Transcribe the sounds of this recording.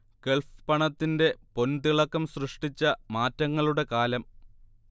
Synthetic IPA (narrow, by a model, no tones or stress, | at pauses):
ke̞ɭfpɐɳɐt̪ːinde̞po̞nt̪iɭɐkːɐmsrɨʂʈit͡ɕːɐmaːtːɐŋːɐɭuɽe̞kaːlɐm